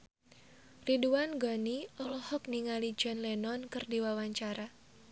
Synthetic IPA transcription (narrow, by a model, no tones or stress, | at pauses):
riduanɡɔniɔlɔhɔk̚niŋalid͡ʒɔnlɛnɔnkɨrdiwawaɲt͡ʃaɾa